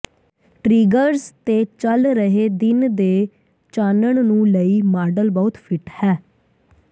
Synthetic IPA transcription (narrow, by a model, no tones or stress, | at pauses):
ʈɾiːɡəɾzt̪eːt͡ʃəlɾəɦeːd̪ɪnd̪eː | t͡ʃaːnəɳnũːləiːmaːɾɖəlbɔːt̪pʰɪʈhɛː